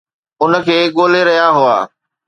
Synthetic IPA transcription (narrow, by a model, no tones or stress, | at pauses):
ʊnə̆kʰeːɠoːleɾɐɦjaɦʊa̰ː